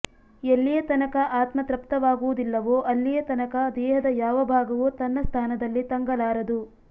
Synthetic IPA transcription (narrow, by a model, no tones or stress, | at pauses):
elːijɐt̪ɐnɐkɐʔaːt̪mɐt̪ɾɐpt̪ɐʋaːɡuʋud̪ilːɐʋoːʔɐlːijɐt̪ɐnɐkɐd̪ɛːɦɐd̪ɐjaːʋɐbʱaːɡɐʋut̪ɐnːɐst̪ʰaːnɐd̪ɐlːit̪ɐŋɡɐlaːɾɐd̪u